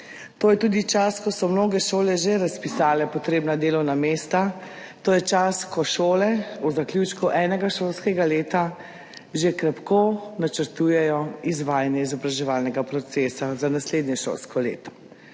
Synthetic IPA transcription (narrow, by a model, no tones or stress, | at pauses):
t̪oːjɛt̪uːd̪it͡ʃaskɔsɔmnoːɡɛʃoːlɛʒeɾaspisaːlɛpɔt̪ɾeːbnad̪eːlɔwnameːst̪a | t̪oːjɛt͡ʃaskɔʃoːlɛuzakljut͡ʃkuʔɛːnɛɡaʃolskɛɡaleːt̪a | ʒekɾɛpkonat͡ʃəɾt̪uːjɛjɔizʋaːjanjɛizɔbɾaʒɛʋaːlnɛɡapɾɔt̪seːsazanasleːd̪nɲjɛʃo̰lskɔlḛːt̪ɔ̥